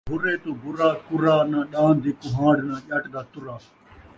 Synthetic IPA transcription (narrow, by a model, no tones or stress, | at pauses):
bʊɾeːt̪ũːbʊɾaːkʊɾaːnãːɗãːnd̪iːkʊɦãːɽnãːʄəʈd̪aːt̪ʊɾaː